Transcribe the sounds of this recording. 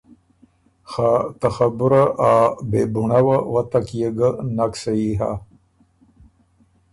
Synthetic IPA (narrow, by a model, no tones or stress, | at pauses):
xat̪axabuɾaʔabebuɳawawat̪akjeɡənaksaiɦa̰